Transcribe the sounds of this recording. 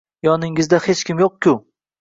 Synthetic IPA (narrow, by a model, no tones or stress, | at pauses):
jɒnɪŋɪzd̪ahet͡ʃkʲɪmjoq̚kʲʊ